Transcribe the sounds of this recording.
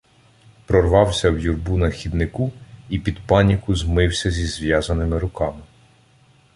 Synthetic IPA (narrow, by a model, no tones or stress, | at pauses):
pɾɔrʋɑwsʲɐwjurbunɐxʲid̪nɪkuipʲid̪pɑnʲikʊzmɪwsʲɐzʲizʋʲjɑzɐnɪmɪɾʊkɑmɪ